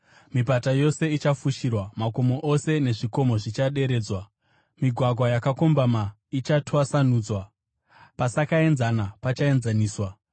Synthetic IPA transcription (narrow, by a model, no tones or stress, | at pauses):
mipatajo̞se̞it͡ʃafuʃirwamako̞mo̞ʔo̞se̞ne̞ʐiko̞mo̞ʐit͡ʃaɗe̞ɾe̞ːd͡zwa | miɡʱwaɡʱwajakako̞mbama | it͡ʃatʰoasanuːd͡zwa | pasakae̞nzanapat͡ʃae̞nzaniːswa